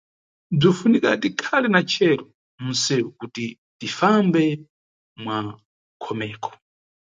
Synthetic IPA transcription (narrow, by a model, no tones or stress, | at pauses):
b͡ʐifunika̰tikʰalɛnat͡ʃʰɛɾɔ | m̩sɛukuti | tifambɛ | mwa | kʰɔmɛːkʰɔ̥